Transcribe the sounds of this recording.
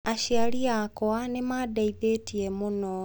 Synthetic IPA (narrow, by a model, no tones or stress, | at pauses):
aʃiaɾiakɔanemaːdaiðetiemonɔ